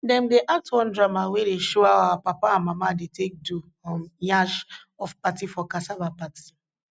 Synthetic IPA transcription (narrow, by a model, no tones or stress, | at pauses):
dɛ̃ndeʔatwɔ̃ndɾamawedeʃɔaawapapaãmamadetek̚du | ɔmjaʃ | ɔfpatifɔkasabapati̥